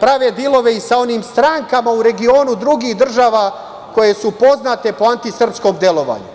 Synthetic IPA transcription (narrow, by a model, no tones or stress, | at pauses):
pɾaʋeːd̪ilˠo̞ʋe̞isao̞niːmst̪ɾaːŋkamauɾe̞ɡio̞ːnud̪ɾuɡiːxd̪r̩ʒaːʋaː | ko̞je̞supo̞znat̪e̞po̞ant̪isr̩psko̞md̪je̞lo̞ʋa̰ːɲṵ